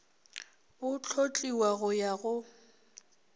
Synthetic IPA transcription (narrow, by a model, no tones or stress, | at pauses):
ʊt͡ɬʰot͡ɬʼiwaɣʊjaɣʊ